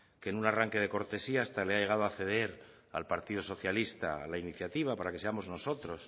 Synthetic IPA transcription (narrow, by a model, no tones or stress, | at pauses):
kenunaraŋke̞ð̞e̞ko̞ɾt̪e̞siaːst̪ale̞aʎe̞ɣ̞að̞oaθe̞ðe̞ɾ | a̰lpaɾt̪iðo̞so̞θjalist̪a̰alainiθjat̪iβ̞apaɾake̞se̞amo̞zno̞so̞t̪ɾo̞s